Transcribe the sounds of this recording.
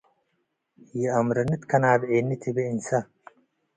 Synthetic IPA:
jiɐmɾɐnit̪kʰɐnaːbeːnːit̪ʰibeinsɐ

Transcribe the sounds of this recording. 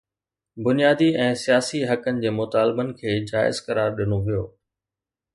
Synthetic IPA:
bʊnijaːd̪iɛ̃ːsijaːsiɦɐkənɪ̆d͡ʑeːmʊt̪aːlbənɪ̆kʰeːd͡ʑaːɪ̰zkɐɾaːɾɗɪnoʋijoː

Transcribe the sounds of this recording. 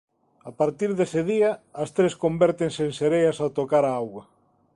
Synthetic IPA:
apaɾt̪iɾðesɪðiɐɐst̪ɾeskombɛɾt̪eŋseːŋseɾejɐsat̪okaɾaawɣwɐ

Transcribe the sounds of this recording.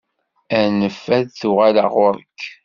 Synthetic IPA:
ænəfːæðθuʁælaʁʊɾəkː

